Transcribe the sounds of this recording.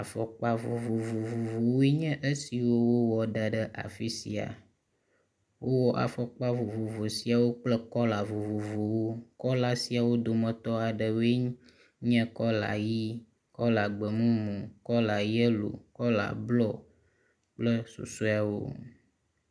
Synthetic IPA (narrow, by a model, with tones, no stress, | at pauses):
a˨fɔ˨k͡pa˦vu˨vu˨vu˨vu˨vo˨wi˦ɲɛ̃˦ʔə˦si˨wo˦wo˦wɔ˨ɖa˨ɖə˦ʔa̰˨fi˦sḭ˨a̰˨ | wʔo˦wɔ˦ʔa̰˨fɔ˦k͡pa˦vu˨vu˨vo˨si˨a˨wo˦k͡plə˦kɔ˦la˨vu˨vu˨vo˨wo˦kɔ˦la˦si˨a˨wo˦d̪o˨mə̃˨t̪ɔ˦a˨ɖə˨we˦ | ɲɛ̃˦kɔ˦la̰˨ji˦ | kɔ˦la˨ɡ͡bə˨mũ˦mũ˨kɔ˦la˨ji˦ə˦lo̰˨kɔ˦la̰˨blɔ˦ | k͡plə˦sṵ˨su˦a˨wo̰˦